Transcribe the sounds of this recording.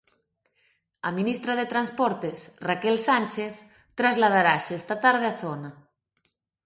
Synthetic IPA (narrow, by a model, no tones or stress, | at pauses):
a̰minist̪ɾaðet̪ɾanspoɾt̪esrakelsanʲt͡ʃeθ | t̪ɾazlað̞aɾasest̪at̪aɾð̞eaθona